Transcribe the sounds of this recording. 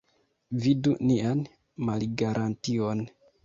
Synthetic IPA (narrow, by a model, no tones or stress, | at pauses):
vidunian | malɡaɾʔantio̞n